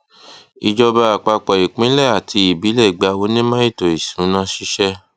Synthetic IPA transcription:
i˧d͡ʒɔ˧ba˧˦a˨k͡pa˧k͡pɔ˨i˨k͡pĩ˨˦lɛ˦˨a˨tʰi˧i˨bi˨˦lɛ˦˨ɡ͡ba˧o˧˦nĩ˦mã˦i˦˨to˨i˨sũ̥˨˦nã˦ʃi˦ʃɛ˦

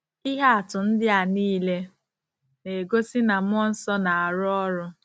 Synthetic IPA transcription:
i˦ɦa˦a˨tʊ˨n̩˦dɪ˦a˨niː˦le˦ | ne˨ɡo˦si˦na˨m˦ɔ˦n̩˦sɔ˦na˨a˨ɾʊ˦ɔ˦ɾʊ˦

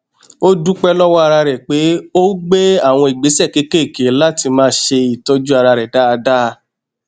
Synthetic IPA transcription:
o˦du˦k͡pɛ˦lɔ˦wɔ˦a˧ɾa˧ɾɛ˨k͡pe˨˦o˦ɡ͡be˦a˦˨w̃ɔ̃˧i˨ɡ͡be˨˦sɛ˦˨ke˧˦ke˦˨ke˨˦la˦˨ti˧mãː˦ʃe˧i˨tɔ˦d͡ʒu˦a˧ɾa˧ɾɛ˨da˦a˧da˦˧˦

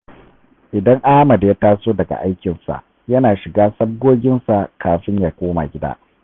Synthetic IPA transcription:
ʔɪ˨dɐ˦ŋʔaː˦mɐ˨da˨ja˦taː˦soː˦dɐ˨ɡa̰˨ʔa˦jkʲɪ˨nsa̰˨ʔ | jɐ˦naː˨ʃɪ˨ɡaː˦sɐ˦b̚ɡoː˦ɡʲɪ˦nsa˨kʰaː˨ɸɪ˦ɲjaː˨kʷoː˦ma̰˨ɡʲɪ˦da̰ː˦

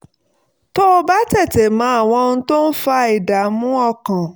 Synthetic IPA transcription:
to˦o˧ba˦tɛ˦˨te˨mã˨˦a˦˨w̃ɔ̃˨˧nũ˦to˦n̩˦fa˧i˨da˨mũ˦ɔ˦˨kã˨

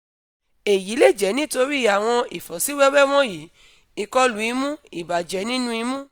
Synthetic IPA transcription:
e˨ji˨˦le˦˨d͡ʒɛ˨˦nĩ˦to˧ɾi˦˨a˨w̃ɔ̃˧i˨fɔ˨si˨˦wɛ˦wɛ˦w̃ɔ̃˦ji˨˦ | i˨kɔ˧lu˨˦i˧mũ˦i˨ba˨d͡ʒɛ˨˦nĩ˦nũ˦i˧mũ˦

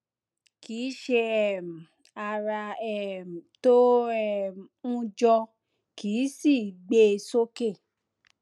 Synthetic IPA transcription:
ki˨˦ʃe˧ɛ˦˨m̩˨ | a˧ɾa˧ɛ˦˨m̩˨to˦ɛ˦˨m˨ũ˦˧d͡ʒɔ˧ | ki˨˦si˦˨ɡ͡be˦˧so˦ke˦˨

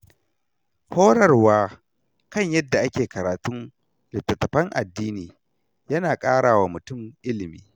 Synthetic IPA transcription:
hoː˦ɽɐ˨rwaː˦ | kɐ˦ɲjɐ˦dːa˨ʔa˦kʲeː˨kɐ˨ɾaː˨tʊ˦ŋ | lɪ˨tːɐ˨tːɐ˨ɸɐ˦ŋʔa̰˨dːiː˦niː˨ | jɐ˦naː˨kʼaː˦ɽaː˨waː˨mʊ˨tʊ˦mʔɪ˦lɪ˨miː˦

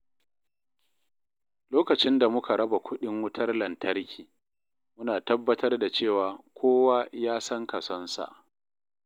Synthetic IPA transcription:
loː˦kɐ˨t͡ʃɪ˦nda˨mʊ˦kʰa˨ɽɐ˦ba˨kʷʊ˦ɗɪ˦ŋwʊ˦tʰɐ˦rlɐ˨ntʰɐ˦rkʲiː˨ | mʊ˦naː˨tɐ˦bːɐ˦tɐ˦rda˨t͡ʃeː˦˨waː˨kʷoː˦wa˦jaː˦sɐ˦ŋkɐ˨sɔ˦nsa̰˨ʔ

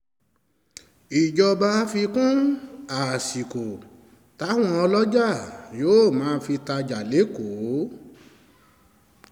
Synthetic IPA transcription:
i˨d͡ʒɔ˧ba˧˦fi˧kũ˦a˨si˨ko˨ | ta˨˦w̃ɔ̃˧ɔ˧lɔ˦d͡ʒa˦˨joː˨˦˨mãː˨˦fi˧ta˧d͡ʒa˨le˨˦ko˨˦

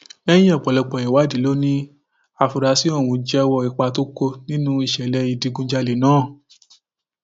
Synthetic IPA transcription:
ɛ˦j̃ĩ˦ɔ˦˨k͡pɔ˨lɛ˨˧k͡pɔ˨ɛ˨wa˨˦di˨˦lo˦nĩ˦ | a˧˨fu˧ɾa˧˦si˦ɔ˦˨wũ˨˧˦d͡ʒɛ˦˧wɔ˧i˨k͡pa˧to˦ko˧nĩ˦nũ˦i˦˨ʃɛ˨lɛ˧i˨˧˨di˨˧˦ɡũ˧d͡ʒa˧le˨˦nãː˦˨

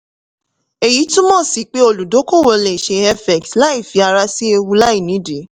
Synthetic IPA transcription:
e˨ji˨˦tũ˦mɔ̃˦˨si˨˦k͡pe˦o˧lu˨do˨˦ko˦˨wo˧le˨ʃe˧ɛ˦fɛ˨ktla˦i˦˨fi˨˧a˧ɾa˧˦si˦e˧wu˧la˦i˦˨nĩ˨˦de˨˦

